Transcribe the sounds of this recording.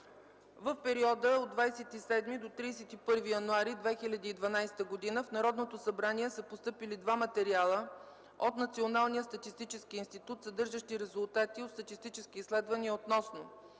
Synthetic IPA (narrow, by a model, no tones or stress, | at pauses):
vəfpɛɾiɔd̪əod̪vajsɛt̪isɛd̪mid̪ot̪ɾijsɛt̪ipɤɾvijɐnuaɾid̪vɛxilʲɐd̪iːd̪vɐnajsɛ̥t̪əɡod̪inəfnɐɾɔd̪not̪osɐbɾaniɛsəpost̪ɤpilid̪vamɐt̪ɛɾialˠə | ot̪nɐt̪sionalˠnijəst̪ɐt̪ist̪it͡ʃɛskiinst̪it̪ut̪sɐd̪ɤɾʒəʃt̪iɾɛzulˠt̪at̪iot̪st̪ɐt̪ist̪it͡ʃɛskiiːslɛd̪vəniəot̪nɔsno